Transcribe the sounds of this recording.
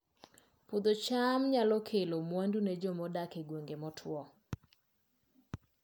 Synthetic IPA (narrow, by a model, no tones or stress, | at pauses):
pod̪ot͡ʃamɲalɔkʰelomwandunɛd͡ʒɔmɔdakeɡwoŋɡemɔtʰwɔ